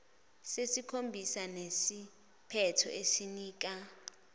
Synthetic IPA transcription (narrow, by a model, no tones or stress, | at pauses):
sesikʰombʱisanesi | pʰɛtʰɔ̰ʔesiniːk̬a